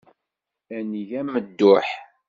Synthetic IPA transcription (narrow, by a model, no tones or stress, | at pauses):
æniʝæmːəd̪ːʊħ